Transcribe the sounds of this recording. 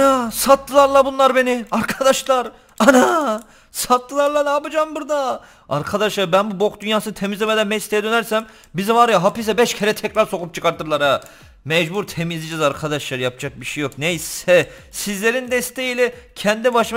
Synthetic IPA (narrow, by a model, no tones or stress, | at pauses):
nasat̪ːɯlˠaɾlˠabunlˠaɾbe̞niaɾkʰad̪aʃlˠaɾ | ana | sat̪ːɯlˠaɾlˠanaːbɯd͡ʒaːmbuɾd̪a | a̰ɾkʰad̪aʃlˠaɾbænbubokd̪ynjaːsɯnɯt̪ʰemizʲeɛmed̪ænmɛst̪ʰijɛd̪ø̞næɾsæm | bizɛvaɾjaɦapis̬ɛbɛʃcʰeɾɛt̪ʰɛcɾaɾso̞kup̚t͡ʃʰɯkʰaɾt̪ɯɾlˠaɾa | mɛd͡ʒbuɾt̪ʰe̞mizid͡ʒɛzaɾkʰad̪aʃlˠaɾɯjapʰd͡ʒak̚biʃejo̞knejsɛ | sizlʲe̞ɾind̪ɛst̪ʰe̞jilʲɛcʰɛnd̪ibaʃɯ